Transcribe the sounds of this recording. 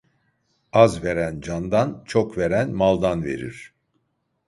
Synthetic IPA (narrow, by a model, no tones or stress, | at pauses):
azve̞ɾænd͡ʒand̪ant͡ʃʰokveɾænmalˠd̪anve̞̰ɾḭɾ̥